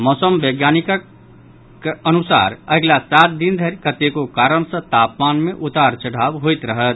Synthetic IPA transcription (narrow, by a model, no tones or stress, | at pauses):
mɔːsəmbeɡjanikək | ənusa̰ɾəɡlasat̪̚d̪ind̪ʱəɾkət̪ekokaɾəɽ̃sə̃t̪apmanmeʔut̪aɾt͡ʃəɽ̤abɦojt̪ɾəɦət̪̚